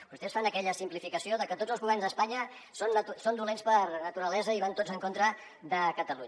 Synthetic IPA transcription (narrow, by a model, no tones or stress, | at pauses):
bust̪ɛsfanəkɛʎəsimplifikəsioðəkət̪od͡zzəlˠzɣuβɛrnzðəspaɲə | sonːət̪usond̪ulenspərnət̪uɾəlɛzəiβant̪od͡zəŋkont̪ɾə | ðəkət̪əluɲə